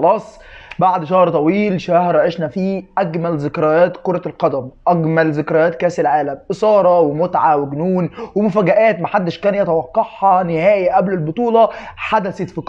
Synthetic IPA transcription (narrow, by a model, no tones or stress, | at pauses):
ɑlɑːsˤ | baʕd̪ʃɑhɾt̪ˤɑwiːlʃæhɾʕeʃnæfiːʔæɡmælzɪkɾæjæːt̪koɾˤɑlqɑd̪æmʔæɡmælzɪkɾˤæjæːt̪kæːselʕaːlæmʔɪsˤɑːɾˤɑwemʊt̪ʕawɪɡnuːnwemʊfæːɡæʔæːt̪mæħad̪ːɪʃkæːnjɑt̪æwɑqːɑħhɑnɪhæːjæʔæblelbot̪ˤuːlɑħad̪æset̪fik